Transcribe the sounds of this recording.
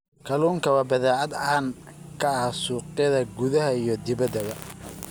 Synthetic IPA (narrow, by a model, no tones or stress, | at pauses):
kʰɐluːŋkʰɐβɐbɐðaːʕɑd̪aːn | kʰɐsuːqɪjɐðɐɡuðɐɦɐijɞd̪ɪβɐd̪ɐβɐ